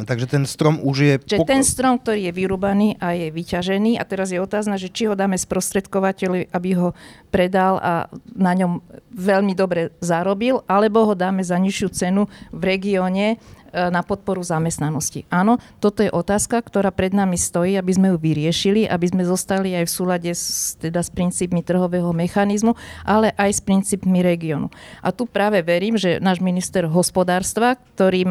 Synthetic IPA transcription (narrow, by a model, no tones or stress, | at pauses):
t̪aɡʒɛt̪ɛnst̪ɾɔmuʒjɛʒɛt̪ɛnst̪ɾɔmk̚t̪ɔɾiːjɛʋiɾuːbaniːʔajɛʋicaʒɛniːa̰t̪ɛɾazjɛɔt̪aːznaʒɛt͡ʃiɦɔd̪aːmɛspɾɔst̪ɾɛt̪kɔʋacɛʎiʔabiɦɔpɾɛd̪ala̰naɲɔmʋɛʎmid̪ɔbɾɛzaɾɔbilʔalɛbɔɦɔd̪aːmɛzaɲiʃɪut͡sɛnuʋɾɛɡiɔːɲɛnapɔt̪̚pɔɾuzamɛst̪nanɔscḭʔaːnɔt̪ɔt̪ɔjɛʔɔt̪aːskakt̪ɔɾaːpɾɛd̪namist̪ɔjiːabizmɛjuʋiɾɪɛʃiliʔa̰bizmɛzɔst̪aliajfsuːlaɟɛt̪ɛd̪aspɾint͡siːpmit̪r̩ɦɔʋɛːɦɔmɛxanizmuʔalɛʔajspɾint͡siːpmiɾɛɡiɔnṵʔa̰t̪upɾaːʋɛʋɛɾiːmʒɛnaːʒminist̪ɛɾɦɔspɔd̪aːɾst̪ʋak̚t̪ɔɾiː